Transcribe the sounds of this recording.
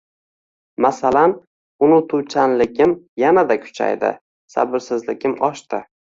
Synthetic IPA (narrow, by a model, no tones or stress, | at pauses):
masalan | ʊnʊt̪ʰʊwt͡ʃʰanlɪɡʲɪmjanad̪akʰʊ̥t͡ʃʰa̰jd̪ɪ̰ | sa̰bɪɾsɪzlɪɡʲɪmɒʃt̪ɪ